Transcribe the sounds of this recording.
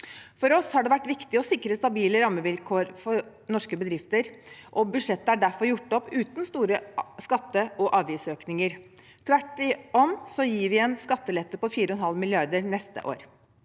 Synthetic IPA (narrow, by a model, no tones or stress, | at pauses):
fɔɾɔshɑɖɛʋæʈːʋɪkt̪ɪɔsɪkɾəst̪ɑbiːləɾɑmːəʋɪlkʰoːɾfɔɾ | nɔʂkəbəd̪ɾɪft̪əɾʔɔbʉʂɛt̪ːəæɖæfɔɾjʊʈːɔpːʉːt̪nst̪uːɾəskɑt̪ːəʔɔʔɑːʋiːsøːknɪŋəɾ | t̪ʰʋæʈːɪɔmsɔjiːʋɪɛnskɑt̪ːəlɛt̪ːəpɔfiːɾəɔɛnhɑlmɪlɪɑɾd̪əɾnɛst̪ə̰ʔo̰ːɾ